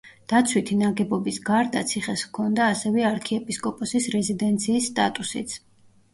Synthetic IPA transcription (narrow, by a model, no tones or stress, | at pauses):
d̪̥at̪sʰwit̪ʰinaɡɛbɔbisɡaɾd̪a̰t̪sʰiχɛskʰɔnd̪aːsɛvɛaɾkʰiɛpʼiskʼɔpʼɔsisɾɛzid̪ɛnt̪sʰiːsːt̪ʼa̰t̪ʼusḭt̪sʰ